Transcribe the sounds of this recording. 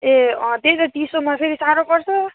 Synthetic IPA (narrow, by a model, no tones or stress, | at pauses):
ed̪eɾʌt̪isomapʰeɾisaɾokʌɾt͡sʰʌ